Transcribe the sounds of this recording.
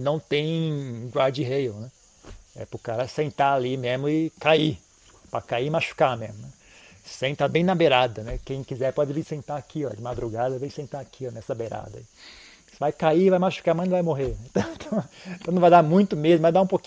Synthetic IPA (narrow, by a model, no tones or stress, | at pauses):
nɐ̃w̃t̪ẽj̃ɡwaɾd͡ʒɪɦejonɛ | ɛ̰pʊkaɾɐsẽnt̪aalimezmʊɪkai | pɾɐkaiɪmaʃu̥kamezmʊnɛ | sẽnt̪abẽj̃nɐbeɾad̪ɐnɛkẽj̃kizɛɾpɔd͡ʒɪvĩsẽnt̪aɾakiɔ̰d͡ʒɪmad̪ɾuɡad̪ɐvẽj̃sẽnt̪aɾakʰiɔnɛsɐbeɾa̰d̪ɐ̰i | sɪvajkaiɾvajmaʃu̥kaɾmɐ̃ñvajmoɦeɾẽt̪ɐ̃w̃ẽt̪ɐ̃w̃t̪ɐ̃nɐ̃vajd̪amũj̃t̪ʊmezmʊ̃vajd̪aũpokĩ